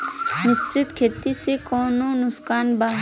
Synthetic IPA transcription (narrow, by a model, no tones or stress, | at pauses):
mɪsɾɪt̪kʰeːt̪ːisekɔːnonʊskaːnbaː